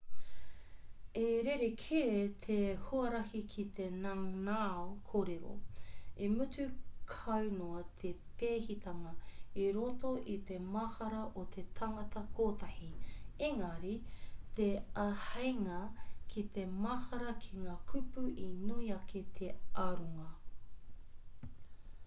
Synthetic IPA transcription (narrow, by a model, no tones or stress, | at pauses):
eɾeɾekʰeːt̪ʰehoɐɾɐhikʰit̪enaŋnaokʰoːɾeɾo̰imʉt͡sʉkʰɐwnoɐt̪ʰepeːhit̪ʰɐŋɐiɾotoʔit̪emɐhɐɾɐʔot̪ʰet̪ʰɐŋɐtɐkʰoːtɐhieŋɐɾit̪eɐhɐjŋɐkʰit̪emɐhɐɾɐkʰiŋaːkʰʉpuʔinuiɐkʰet̪ʰe̞ɐɾuŋɐ